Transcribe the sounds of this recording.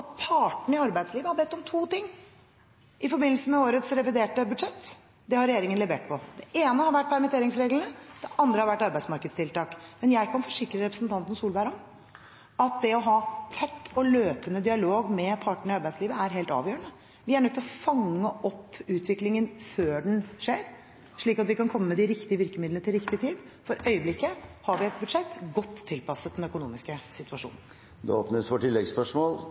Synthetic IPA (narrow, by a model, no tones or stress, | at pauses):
ɑt̪̚pʰɑʈɳ̩ɪɑɾbæɪd̪sliːʋəhɑɾbɛt̪ːɔmt̪ʰuːt̪ɪŋː | ʔɪfɔɾbɪnl̩səmɛoːɾət̪sɾɛʋɪd̪eːʈəbʉd̪ʂɛt̪ː | d̪ɛhɑɾɛjeːɾɪŋənlɛʋeːʈ̚pʰɔd̪̥ɛʔeːnəhɑɾʋæʈ̚ːpʰæɾmɪt̪ʰeːɾɪŋsɾeːɡlənəd̪̥ɛʔɑnd̪ɾəhɑɾʋæʈːɑɾbæɪsmɑɾkəd̪st̪ʰɪlt̪ɑːkmɛnjæɪkʰɑnfɔʂɪkːɾəɾɛpɾəsn̩t̪ɑnt̪ən̩suːlbæɪɾɑn | ɑt̪̚d̪ɛɔɦɑːt̪ʰɛt̪ːɔløːpənəd̪ɪɑloːɡmɛpʰɑʈəɳ̩ɪɑɾbæɪsliːʋəæɾɦeːlt̪ɑ̰ːʋjøːəɳə | ʋɪæɾɳœt̪ːɪlɔfɑŋːəʔɔpːʉːt̪ʰʋɪklɪŋənføːɖɛnʂeːɾ | ʂɭiːkɑt̪ʋɪkɑnkʰɔmːəmɛd̪ɪɾɪkt̪ɪəʋɪɾkəmɪd̪lənət̪ɪlɾɪkt̪ɪt̪ʰiːd̪ | fɔɾœʏəblɪkːəhɑɾʋɪɛt̪̚bʉd̪ʂɛt̪ːɡɔt̪ːʰɪlpɑsət̪d̪ɛnœkʊnṵːmɪskəsɪt̪ʉɑʂṵːnn̩ | d̪ɛ̰oːpnəsʋɔʈɪlːɛɡspœʂmoːl